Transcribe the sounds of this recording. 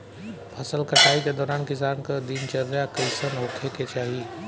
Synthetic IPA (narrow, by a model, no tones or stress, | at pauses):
pʰɐsəlkəʈaːiked̪ɔːɾaːnkisaːnkəd̪iːnt͡ʃɐɾːjakəɪsənɦokʰeket͡ʃaːɦi